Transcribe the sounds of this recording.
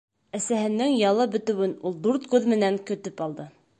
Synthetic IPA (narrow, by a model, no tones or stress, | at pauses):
æsæhɘ̆nːɘŋjɑlˠɤbɵ̆t̪ɘ̆wɘnulˠd̪uɾt̪kʉðmɘ̆næŋkɵ̆t̪ɵpɑlˠd̪ɤ